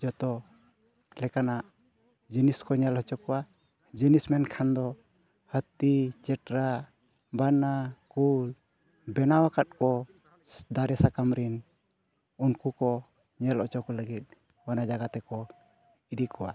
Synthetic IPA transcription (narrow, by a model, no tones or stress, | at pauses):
d͡ʒɔt̪ɔ | lɛkanaʔ | d͡ʒəniskɔɲɛlhɔt͡ʃɔkɔwa | d͡ʒənismɛnkʰand̪ɔ | hət̪it͡ʃɛʈɾa | banakul | bɛnawakat̪̚kɔ | d̪aɾɛsakamɾin | unkukɔ | ɲɛlɔt͡ʃɔkɔləɡit̪̚ˀ | wanad͡ʒaɡat̪ɛkɔ | id̪ikɔwa̰